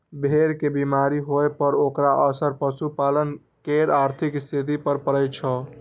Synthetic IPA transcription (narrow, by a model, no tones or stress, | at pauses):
bʱeɾkebimaɾiɦoepəɾokɾaʔəsəɾpəsupalən | keɾaɾt̪ʰikst̪ʰit̪ipəɾpəɾəjt͡ʃʰə